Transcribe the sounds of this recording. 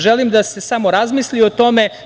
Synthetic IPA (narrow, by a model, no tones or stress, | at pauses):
ʒelimd̪ase̞samo̞ɾazmiːslio̞t̪o̞me̞